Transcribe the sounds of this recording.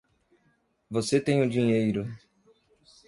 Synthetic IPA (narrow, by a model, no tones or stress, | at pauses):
voset̪ẽj̃ʊ̃d͡ʒĩɲejɾʊ